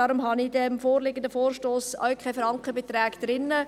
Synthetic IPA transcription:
ɑːɾʊmɦɑnidɛmfoːrlɪɡəndəfoːrʃtoːsœ̰wkʰaɪfɾɑŋkəbet̪rɛːɡd̥̪ɾɪnːə

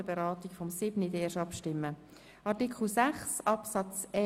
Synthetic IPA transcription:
əbeɾɑːtikfɔmsɪbnəideːʃɑpʃtɪmːə | ʔɑɾtikχl̩sæχsɑpsɑt͡sɛ

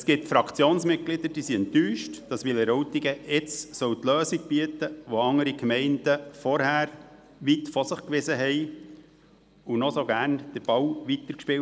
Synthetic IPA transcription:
əsɡ̥ɪp̚tfɾɑkʰt͡sjoːnsmɪt̚ɡlɪd̪əɾd̥isiɛntyːʃtd̥ɑsʋɪlɛɾɔtiɡəɪt͡ssœwt̪løːsiɡ̚b̥iət̪əʋɔɑŋəɾikmɛɪndəfɔɾhæːɾ | ʋitfɔsəχkʋɪzəɦɛɪ | unɔsoɡæːɾnd̥əɾb̥ɑwʋit̪əɾkʃpɪwt

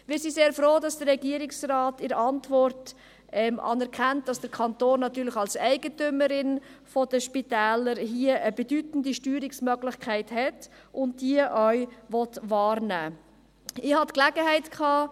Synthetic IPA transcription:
mɪːɾsiseːɾfɾoːdɑsd̥əɾːɛɡiːəɾɪksrɑːtɪɾɑntʋɔrt | ʔɛmʔɑ̰ːnɛɾkʰæntd̥ɑsd̥əɾkʰɑntoːnːɑtyːɾlɪχɑlsæɪɡətʏməɾɪnfɔd̥əʃpitæːləɾɦiəʔəbedytn̩diʃtyːɾɪksmœɡlɪχkʰæɪthɛt | ʔʊnt̚d̥iəʔœɥʋɔtʋɑːrnæː | ɪhɑtklæɡəɦɛɪtkʰɑː

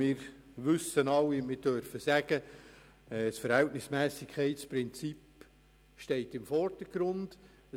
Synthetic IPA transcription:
mɪːɾ | ʋʏsːənɑlːimɪdøɾfəsæɡ̥ə | ɛsfəɾhɛltnɪsmæːsɪkʰɛɪtspɾɪnt͡sip | ʃtɛɪtɪmfɔrd̥əɡ̥ɾʊnd̥

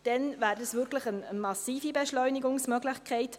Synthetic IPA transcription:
d̥ɛnvæːɾdəsʋʏɾkləχənəmɑsiːfibɛʃlɔʏniɡʊŋsmœɡlɪχkʰɛɪt

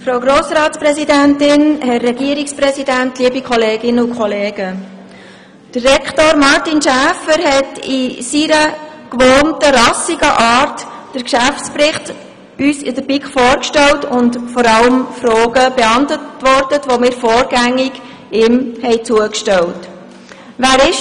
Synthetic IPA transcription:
fɾawɡɾoːsɾɑːtsprɛzidæntɪnhɛrːɛɡ̥iəɾiksprɛsidæntliəbikχɔleːɡɪnəʊkχɔleːɡə | d̥ərːɛkχtoːɾmɑɾtinʃæːfəɾhɛtisiɾəkʋɔːntəɾɑsiɡ̥əʔɑːɾtː | əɾkʃæftsprɪχt | yːsɪdəb̥ikfɔːɾkʃtɛltʊndfɔɾɑləmfɾoːɡəbeɑntətʋɔrtətʋomɪːɾfɔːɾɡæŋːɪɡ | ɪmhɛɪt͡suəkʃtɛlt | ʋæːɾɪʃ

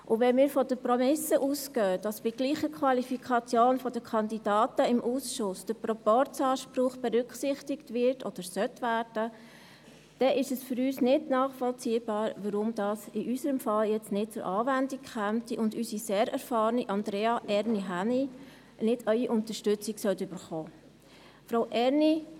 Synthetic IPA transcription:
ʔʊʋɛnmiːɾfɔd̥əpromɪsəʔuːskœːd̥ɑsb̥iɡliːχəkχwɑlifikʰɑt͡sjoːnfɔd̥əkʰɑndid̥ɑːtəɪmʔuːsʃʊsd̥əprɔpɔɾt͡sɑːʃpɾʊχb̥ɛɾʏkχsɪχtɪktʋɪɾtʰɔd̥əɾsœtʋæːɾd̥ə | d̥ɛʔɪʃəsfʏɾyːsnɪdnɑːχfɔlt͡siːəbɑːɾʋəɾʊmd̥̪ɑːsɪʔysəɾəmfɑljɛt͡stnɪt̚t͡sʊɾʔɑːvændikχæmtiʔʊndysiseːɾɛɾfɑːɾniʔɑndɾɛːɑʔɛɾniɦæni | nɪdœʏiʔʊntəʃtʏt͡sɪksœltʏb̥əɾχɔː | fɾowʔɛɾni

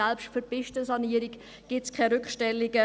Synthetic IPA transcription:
ɛlpʃtfəɾpɪʃtəsɑniːəɾɪk | ɡ̥ɪtskʰɛɾʏkʃtɛlɪɡə

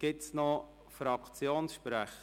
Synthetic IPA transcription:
ɡ̥ɪtsnɔ | fɾɑkʰt͡sjoːnsʃpɾɛχ

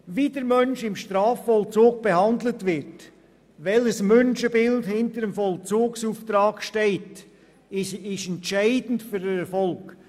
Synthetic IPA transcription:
viːdəɾmœnʃɪmʃtɾɑːfːɔlt͡soːk̚b̥ehɑndlətvɪɾt | vɛləsmœnʃəbɪldhɪntəɾəmfɔlt͡soːksuːftɾɑːkʃtɛɪt | ɪɪʃɛntʃæɪdn̩tfyɾəɛɾfɔlk

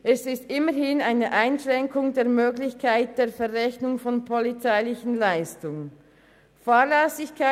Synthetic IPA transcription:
ʔɛsɪstʔɪməhɪnaɪnəʔaɪnʃʁɛŋkʊŋdeːɐmøːɡlɪçkʰaɪt̚d̥eːɐfɛʁʁɛçnʊŋfɔnpʰɔlit͡saɪlɪçən̩laɪstʊŋən | faːlɛsɪçkʰa

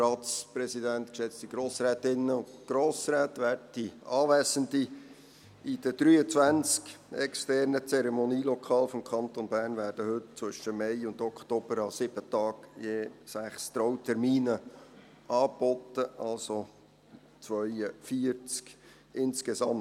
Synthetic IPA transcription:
rɑːtspɾɛsidænt̪kʃɛt͡st̪iɡ̥ɾoːsɾɛːtɪnːəʊtɡ̥ɾoːsɾɛːt̪ʋæːɾdd̥iɑːʋæːsəndi | id̥əd̥ɾyːət͡sʋænt͡skɛkstɛɾnət͡sɛɾɛmoniːlɔkʰɑːlfɔmkʰɑnt̪onbæːrnvæːɾd̥əhʏtt͡sʋʏʃəmɛɪʊndɔkʰt̪ob̥əɾɑsɪb̥ətɑːkjeːsæχst̪ɾɔwtʰɛɾmiːnə | ɑːbɔt̪əʔɑlso | t͡sʋœʏəfiəɾt͡sk | ɪnskesɑm

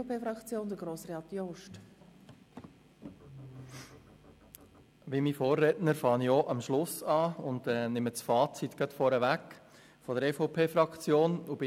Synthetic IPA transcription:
pʰeːfɾɑkt͡sjoːnd̪əɡɾoːsɾeɑt̪joʃt | ʋimifoːrːɛtnəɾfɑːnioʔɑmʃlʊsɑːʊnd̪ɛːnɪmət͡sfɑːt͡sit̪ɡ̥œt̪fɔːɾəʋækː | fɔd̪əɾɛfɔʊpʰeːfɾɑkt͡sjoːnubɪ

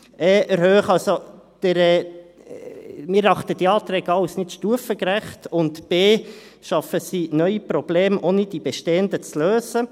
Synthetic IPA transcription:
ɛːʔɛɾhøːχɑlso | d̥əɾɛː | mɪɾːɑχt̪ədiɑːt̪ɾɛːɡɑwsnɪtʃtuəfəkɾæχtʊntb̥eː | ʃɑfəsinœʏipɾɔb̥leːmoːnid̥ibɛʃteːəndət͡sløːsə

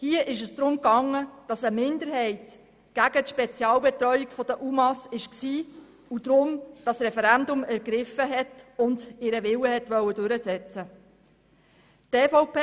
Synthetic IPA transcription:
hiəʔɪʃəsd̪̥ɾʊmkɑŋːəd̥ɑsəmɪndəɾɦɛɪt | ɡ̥æɡ̥ətʃpɛt͡sjɑːlbɛtɾœʏikfɔd̥əʔumɑsɪʃksiː | ud̪̥ɾʊmd̥ɑsrɛfɛɾændʊmæɾɡɾɪfəɦɛtʊndɪɾəʋɪwəɦɛtʋœwədʉɾəsɛt͡sə | tefɔʊpː

